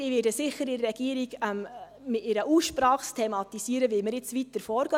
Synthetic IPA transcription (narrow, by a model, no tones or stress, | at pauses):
iːʋɪːdəsɪχəɾɪɾɾɛɡ̥iəɾiɡɛm | mɪtɪɾəuːsʃpɾɑːχstʰɛmɑt̪isiəɾəʋɪlmɪɾjɪt͡sʋitːəɾfɔːɾɡ̥œ